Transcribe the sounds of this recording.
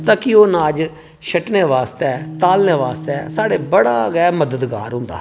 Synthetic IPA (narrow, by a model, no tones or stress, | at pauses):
t̪ãːkioːnaːd͡ʒ | ʃʰəʈneːʋaːst̪ɛːt̪aːlneːʋaːst̪ɛːsaːɽeːbəɽaːɡɛːməd̪əd̪ɡa̰ːɾɦʊ̃nd̪a̰ː